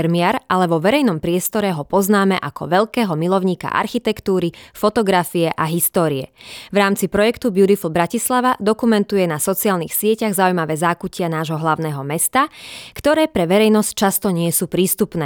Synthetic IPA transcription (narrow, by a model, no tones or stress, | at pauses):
ɾmiaɾʔalɛʋɔʋɛɾɛjnɔmpɾɪɛst̪ɔɾɛɦɔpɔznaːmɛʔakʰɔ̰ʋɛʎkɛːɦɔmilɔʊɲiːka̰ʔa̰ɾxit̪ɛkt̪uːɾifɔt̪ɔɡɾafiɛʔaɦist̪ɔːɾiɛ̰ʋɾaːmt͡sipɾɔjɛkt̪ubuɾiflbɾacislaʋad̪ɔkumɛnt̪ujɛnasɔt͡siaːlnḭːxsɪɛcaɣzaujmaʋɛːzaːkucɪanaːʒɦɔɦlaʊnɛːɦɔmɛst̪akt̪ɔɾɛːpɾɛʋɛɾɛjnɔsct͡ʃast̪ɔɲɪɛsuːpɾiːst̪upnɛː